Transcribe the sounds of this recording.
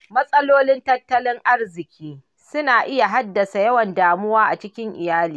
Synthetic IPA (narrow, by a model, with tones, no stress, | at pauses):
mɐ˦sʼɐ˦loː˦lɪ˦ntɐ˦tːɐ˦lɪ˦ŋʔa˦rzɪ˨kʲʰiː˦ | sʊ˦naː˨ʔɪ˦ja˨ɦa˦dːɐ˨sa˨jɐ˦wɐ˨ndaː˨mʊ˦waː˦ʔa˨t͡ʃɪ˦kʲɪ˦ŋʔɪ˨jaː˦liː˨